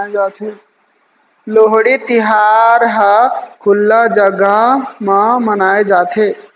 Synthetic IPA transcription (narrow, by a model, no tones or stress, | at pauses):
ed͡ʒaːt̪ʰe | loɦɽit̪iɦaɾɦəkʰʊlːad͡ʒəɡəmãmənaːed͡ʒaːt̪ʰe